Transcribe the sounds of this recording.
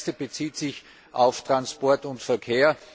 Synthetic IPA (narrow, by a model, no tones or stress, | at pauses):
stəb̥ət͡siːtsɪç | ʔaʊftʁ̥anspɔɐtʊntfɛɐkʰeːɐ